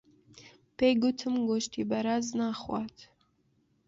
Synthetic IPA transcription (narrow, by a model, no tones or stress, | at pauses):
pʰejɡʊtʰɨmɡoʃtʰibɐɾaznaːχʷɑ̰ːtʰ